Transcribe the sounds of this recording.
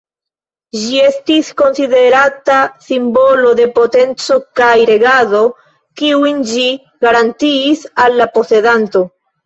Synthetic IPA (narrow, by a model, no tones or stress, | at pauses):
ʒie̞stisko̞nside̞ɾatasimbo̞lo̞de̞po̞te̞nt͡so̞kajɾe̞ɡazo̞ | kiuind͡ʒi | ɡ̥aɾantiːsalːapo̞se̞danto̞